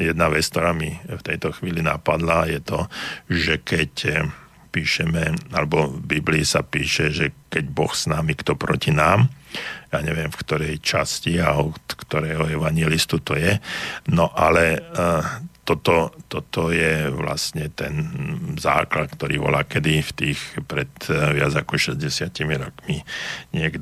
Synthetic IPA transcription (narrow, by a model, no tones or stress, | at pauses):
jɛd̪naʋɛt͡skt̪ɔɾaːmift̪ɛjt̪ɔxʋiːlina̰pad̪lajɛt̪ɔʒɛkɛc | piːʃɛmɛalɛbɔbibliisapiːʃɛʒɛkɛɟbɔxsnamikt̪ɔpɾɔcinaːmjaːɲɛʋɪɛmfkt̪ɔɾɛjt͡ʃasciaɔt̪kt̪ɔɾɛːɦɔɛʋaɲɪɛlist̪ut̪ɔjɛnɔʔalɛ | t̪ɔt̪ɔt̪ɔt̪ɔjɛʋla̰stɲɛt̪ɛnza̰ːklat̪̚kt̪ɔɾiːʋɔ̰laːkɛd̪ift̪iːxpɾɛt̪ʋɪad͡zakɔʃɛzɟɛsɪacimiɾɔkmiɲɪɛɡd̪